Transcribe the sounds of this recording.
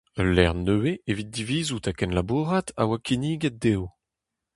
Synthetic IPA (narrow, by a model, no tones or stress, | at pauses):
əlɛ̰ʁnøweevit̪̚d̪iviːzut̪akɛnlabuːʁat̪a̰wakʰiniːɡɛt̚d̪ew